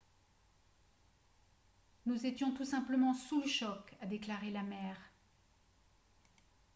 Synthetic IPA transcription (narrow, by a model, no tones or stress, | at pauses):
nuzet̪jɔ̃t̪usɛ̃pləmɑ̃suləʃɔkad̪eklaʁelamɛːʁ